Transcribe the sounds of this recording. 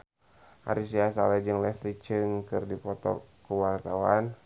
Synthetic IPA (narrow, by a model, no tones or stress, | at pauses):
ʔa̰ɾisiasalɛd͡ʒɨŋlɛst̪ɾit͡ʃɨŋkɨrdipɔt̪ɔ̰kuwart̪awan